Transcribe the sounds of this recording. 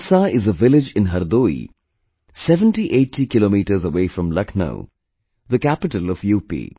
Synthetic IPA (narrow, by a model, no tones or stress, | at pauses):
saɪzəʋɪlɪd͡ʒɪ̃nɦɐɾd̪oːḭ | sɛʋə̃nʈiʔeːʈʰːikɪloːmiːʈəɾzəʋeːfɾə̃mlʌknə̰ʊ | ðəkæpɪʈəlɔʋjuːpḭː